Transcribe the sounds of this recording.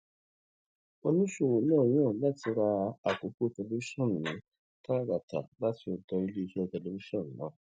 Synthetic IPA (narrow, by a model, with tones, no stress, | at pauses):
o˦nũ˦ʃo˦˨wo˨nã˦˨jãː˦˨la˦ti˧ɾa˧a˨ko˨˦ku˦˨tɛ˧le˦i˦ʃɔ̃˦˨n̩˨nĩ˨˦ | ta˦˨ɾa˨ta̰˨ba˦ti˧o˧dɔ˧i˧li˦i˧ʃɛ˦˧tɛ˧˨lo˨bi˦ʃɔ̃˦˨n̩˨nã̰˨˦